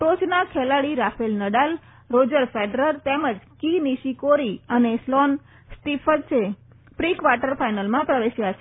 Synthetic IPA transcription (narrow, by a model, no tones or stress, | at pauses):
ʈot͡ʃnakʰɛlaɽiɾafʰelnəɖal | ɾod͡ʒəɾfeɖɾəɾt̪eməd͡ʒkiniʃikoɾiəneslɔn | sʈifʰəʈt͡ʃʰe | pɾikʋaʈəɾfajnəlmãpɾəʋeʃjat͡ʃʰe